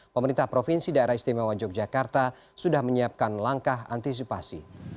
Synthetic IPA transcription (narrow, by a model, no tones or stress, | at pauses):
pəməɾint̪ahpɾofinsidaeɾahist̪imawad͡ʒɔk̚d͡ʒakart̪a | sudahməɲiap̚kanlaŋkaɦa̰nt̪is̬ipasḭ